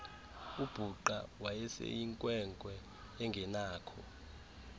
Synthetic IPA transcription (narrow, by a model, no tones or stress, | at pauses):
ub̥ʱuǃa̰wajɛsɛ̰jiŋkʼwɛŋkʼwɛː | ŋɡʱɛnaːkʰɔ